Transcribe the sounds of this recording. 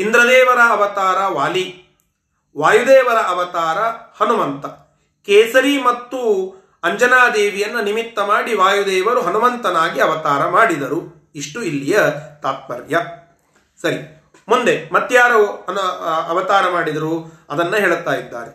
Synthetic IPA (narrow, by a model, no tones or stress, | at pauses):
ind̪ɾɐd̪ɛːʋɐɾɐːʋɐt̪aːɾɐʋaːli | ʋaːjud̪eːʋɐɾɐʔɐʋɐt̪aːɾɐhɐnumɐnt̪ɐ | kɛːsɐɾimɐt̪ːu | ɐɲd͡ʒɐnaːd̪eːʋijɐnːɐnimit̪ːɐmaːɽiʋaːjud̪ɛːʋɐɾuɦɐnumɐnt̪ɐnaːɡiɐʋɐt̪aːɾɐmaːɽid̪ɐɾu | iʂʈuilːijɐt̪aːt̪̚ʋɐ̰ɾjɐ | sɐɾi | mund̪emɐt̪ːjaːɾɐɐnɐʋɐt̪aːɾɐmaːɽid̪ɐɾuɐd̪ɐnːɐɦeːɭut̪aːjid̪ːa̰ːɾe